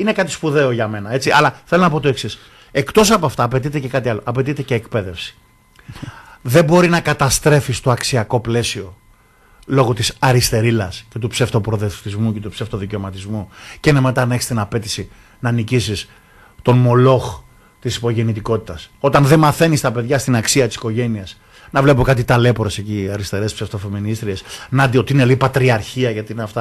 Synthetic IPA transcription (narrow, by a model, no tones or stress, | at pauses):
inekɐt̪ispuðe̞o̞ʝɐme̞nɐe̞t͡siɐ̰lɐθe̞lonɐp̬o̞t̪o̞e̞ksis | e̞kt̪o̞sɐpoɐft̪ɐːpe̞t̪it̪e̞ce̞kɐt̪iɐlo̞ʔɐpe̞t̪it̪e̞ceːkpe̞ðefsi̥ | ðe̞bo̞ɾinɐkɐt̪ɐst̪ɾe̞fist̪o̞ɐksiɐko̞ple̞sio̞ | lo̞ɣot̪isɐɾist̪e̞ɾilɐsce̞t̪upseft̪o̞pɾo̞ðeft̪izmuce̞t̪upseft̪o̞ðice̞o̞mɐt̪izmuceineme̞t̪ɐnɐeçi̥st̪inɐpe̞t̪i̥si | nɐnicisis | t̪o̞nmo̞lo̞x | t̪isi̥po̞ʝe̞nit̪iko̞t̪i̥t̪ɐso̞t̪ɐnðemɐθe̞nist̪ɐpe̞ðʝɐst̪inɐksiɐt̪i̥si̥ko̞ʝe̞niɐs | nɐvle̞po̞kɐt̪̬it̪ɐle̞poɾe̞se̞ciɐɾist̪e̞ɾe̞spseft̪o̞fe̞minist̪ɾie̞snɐd̪ot̪iine̞lipɐt̪ɾiɐɾçiɐʝɐt̪iineɐft̪ɐ